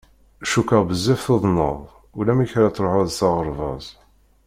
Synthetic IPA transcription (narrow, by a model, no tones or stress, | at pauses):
ʃukəʁbəzːɪfθoðˤnəðˤ | ulæmiçɾat͡sːɾˤoħʊðsɑʁəɾˤvɑ̰zˤ